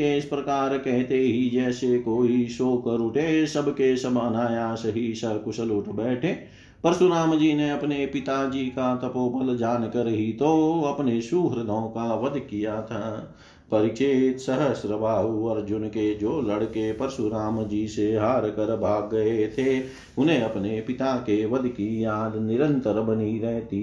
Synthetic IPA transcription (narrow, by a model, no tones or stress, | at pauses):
eɪspɾəkaːɾkɛɦt̪eɦid͡ʒɛːsekoːisoːkəɾʊʈʰesəbkesəbənaːjasəɦisəbkʊsʰəlʊʈʰbɛːʈʰeː | pəɾsuɾaːmd͡ʒiːneɐpnepɪt̪ad͡ʒiːkat̪ɐpoːpəld͡ʒaːnkəɾɦit̪oɐpnesuːɦɾd̪ʱõːkaʋəd̪ʱkijat̪ʰa | pɐɾɪt͡ʃeːt̪səɦəsɾəbʱaːʋəɾd͡ʒʊnked͡ʒoːləɽkepəɾsuɾaːmd͡ʒiːseɦaːɾkəɾbʱaːɡːɐet̪ʰe | ʊnẽɐpnepɪt̪akeʋəd̪ʱkijaːd̪nɪɾə̃nt̪əɾbəniɾɛɦt̪i